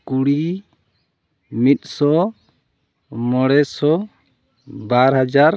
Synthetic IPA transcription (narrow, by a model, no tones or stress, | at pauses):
kuɽi | mit̪̚ˀsɔ | mɔɽɛsɔ | baɾɦad͡ʒaɾ